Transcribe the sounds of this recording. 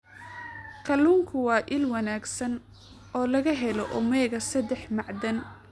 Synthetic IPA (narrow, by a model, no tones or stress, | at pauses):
kʰɐluːŋkʰʊwɑːʔɪlwɐnaːɡsɐn | ɔːlɐɣɐɦɛlɔʔʊmɛːɣɐsɐd̪ɛħmɑʕd̪ɐn